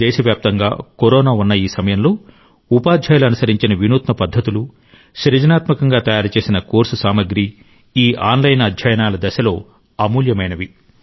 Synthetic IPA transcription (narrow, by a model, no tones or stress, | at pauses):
ɛːʃɐʋjaːp̚t̪ɐŋɡa̰ːkoɾɔːnaːunːɐiːsɐmɐjɐmlo̞ː | upaːd̪ʱjaːjluɐnusɐɾiɲt͡ʃinɐʋinuːt̪mɐpɐd̪ʱːɐt̪ulu | ʃɾɐd͡ʒɐnaːt̪mɐkɐŋɡaːt̪ɐjaːɾut͡ʃe̞ːsinɐkoːɾsusaːmɐɡɾi | iːʔaːnlɐjnɐd̪ʱjɐjɐnaːlɐd̪ɐʃɐlo̞ː | ɐmuːljɐmɐjnɐʋi